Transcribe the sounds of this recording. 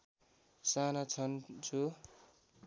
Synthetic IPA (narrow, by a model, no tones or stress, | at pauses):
sanat͡sʰʌnt͡sʰu